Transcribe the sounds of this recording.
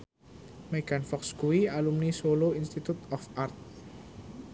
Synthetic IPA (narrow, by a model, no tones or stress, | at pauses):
meɡ̥anfɔkskuwialumnisoloinst̪it̪ut̪ɔfart̪̚